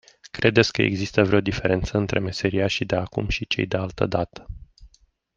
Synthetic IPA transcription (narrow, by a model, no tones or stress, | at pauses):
kɾe̞d̪e̞t̪sʲkəḛɡzist̪əvɾeo̞d̪ife̞ɾe̞nt̪səɨnt̪ɾʔeme̞se̞ɾiaʃid̪e̞akṵmʃit͡ʃejd̪e̞alt̪ə̰d̪at̪ə̥